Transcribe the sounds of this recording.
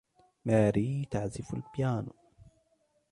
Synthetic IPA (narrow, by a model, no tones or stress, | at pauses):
maːɾiːt̪aʕzɪfalbjaːn